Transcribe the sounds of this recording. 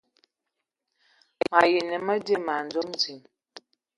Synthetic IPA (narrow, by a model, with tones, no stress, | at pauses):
ma˨ji˨nə˨mə˦de˦˨ma˨nd͡zo˦mzi˨m